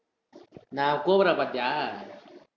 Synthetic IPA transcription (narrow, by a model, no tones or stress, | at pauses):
nakoβɾapad̪a